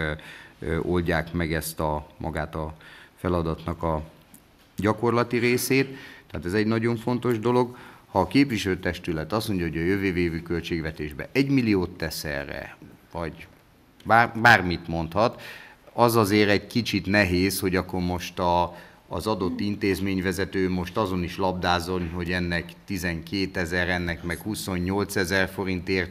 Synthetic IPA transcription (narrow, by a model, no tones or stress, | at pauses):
o̞lɟaːkmɛɡɛst̪ɒmʔɒ̰ɡaːt̪ɒfɛlɒd̪ɒt̪nɒkɒ | ɟɒko̞rlɒt̪iɾeːseːt̪ːɛːt̪ɛzɛɟnɒɟo̞ɱfo̞nt̪o̞ʒd̪o̞lo̞ɡhɒːkeːpʋiʃɛløːt̪ɛʃt̪ylɛt̪ɒstmo̞ɲɟɒɦo̞ɟɒjøveːveːvyːkølt͡ʃeːɡʋɛt̪eːʒbɛ̰ʔɛɟmilijoːt̪ːɛsɛ̰rɛ̰vɒɟ | baːrbaːrmit̪mo̞nt̪hɒt̪ɒzɒzeːɾɛɟkit͡ʃit̪nɛɦeːsho̞ɟɒkːo̞rmo̞ʃt̪ɒː | zɒd̪o̞t̪ːint̪eːzmeːɲvɛzɛt̪øːmo̞ʃt̪ɒzo̞niʃlɒb̚d̪aːzo̞nɦo̞ɟɛnːɛkt̪izɛŋkeːt̪ɛzɛɾɛnːɛkmɛkhuso̞ɲːo̞lt̪sɛzɛrfo̞ɾint̪eːr